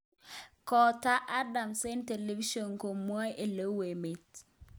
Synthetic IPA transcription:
kɔ˨ta˦ʔa˦da˨mse˦nte˨le˦vi˦ʃo˨nko˨mwɔ˦jʔe˦˨lo˦we˨me˨t

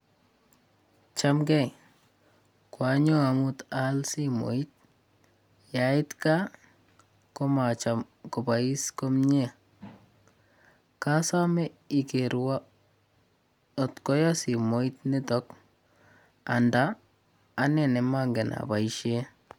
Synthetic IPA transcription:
t͡ʃamkɛ˦j | kwa˨ɲo˦a˨mutalsimo̰˨i˦t̪̚ | jaɪ˦t̪ka | ko˦mat͡ʃa˨m | kɔ˨bai˦sko˦mɲe˦ | ka˦sa˦mɛ˦i˨keɾwa˦ | ɔ˨tkɔ˦jɔ˦si˨mo˦it̪ni˦tɔ˦k | andaː | nɛ˨nɛ˨ma˦ŋɡe˨na̰˨ba˨iʃe˦

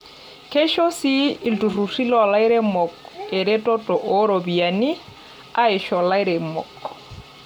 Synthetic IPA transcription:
kʰe˦ʃo˦si˦i˨ltu˨ru˨ri˦lɔ˨la˦i˦ɾe˦mɔ˨ke˨ɾe˦tʼɔ˦tʼɔ˨ʔɔ˦ɾo˨bi˨a˨ni˦ | a˦ɪ˨ʃɔ˨la˦i˦ɾe˨mɔ̰˨k

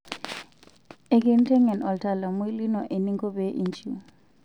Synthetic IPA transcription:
ɛ˨k̬ʼe˦˨n̩˦tʰɛ˦ŋɛ˨nɔ˨ltʰa˨la˨mu˦i˦li˦nɔ˨ʔe˨ni˦ŋkʰʼɔ˦bɛ˦ʔi˨nt͡ʃʰʼu˦˨

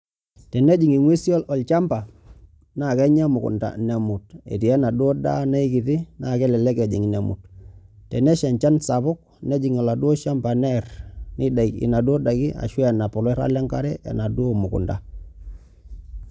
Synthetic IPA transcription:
tɛ˨ne˦d͡ʒi˨ŋi˨ŋwe˦si˦ɔ˦lɔ˨lt͡ʃa˦mpa˨ | na˨kɛ˦ɲa˦mu˨kṵ˨nda̰˨ne˨mu˨t̚ḛ˨ti˨a˦na˨do˦da̰˦na˦i˦ki˨ti˦na˦˨kɛ˦lɛ˨lɛ˦ke˨d͡ʒi˨ŋ˨ne˨mṵ˨ttɛ˨ne˦ʃe˨ɲt͡ʃa˦nsa˨βʊ˦k̚ne˦d͡ʒi˨ŋo˨la˨du˦o˦ʃa˦mpa˨nɛ˦rni˦da˨kḭ˨na˨do˦da˨ki˦a̰˨ʃwa˨na˨pɔ˨lɔ˦ɾa̰˦le˦ŋka˦ɾɛ˦ḛ˨na˨du˦o˦˨mu˨kṵ˨nda˨

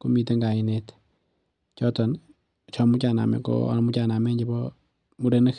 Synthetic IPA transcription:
ku˦mi˨te˦ŋɡa˨i˨net | t͡ʃɔ˦tɔ˨n | t͡ʃɔ˦mu˦t͡ʃa˨na̰˨mɛ̰˨ko̰a̰˦nmu˦t͡ʃa˨na˨mɛ˦ɲd͡ʒebɔ | mu˦ɾe˦ne˦k

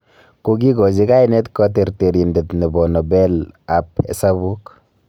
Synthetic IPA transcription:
ko˨ɡi˦ɡɔ˨zi˦ka˦i˦nɛ˦tkɔ˦t̬e˨ɾte˨ɾi˨nde˨tni˨bɔ˨nɔ˨bɛ˦la˨p̚ɛ̰˨sa˦βu˦k

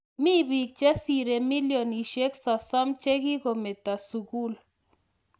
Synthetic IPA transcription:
mi˦bi˨k̚d͡ʒɛ˦si˨ɾe˨mi˦ljo˨ni˨ʃe˦ksɔ˨sɔ˦mt͡ʃe˦ɡi˦ɡo˨mɪ˨t̪a˨su˨ɡu˦l

